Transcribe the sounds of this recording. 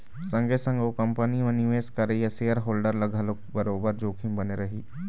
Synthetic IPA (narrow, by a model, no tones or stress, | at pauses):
sɐ̃ŋɡesə̃ŋɡokɐ̃mpənimẽniʋeːskɐɾeijaseːəɾɦoːlɖəɾlɐɡʱəlokbɐɾoːbəɾd͡ʒoːkʰĩmbɐneɾɐɦiː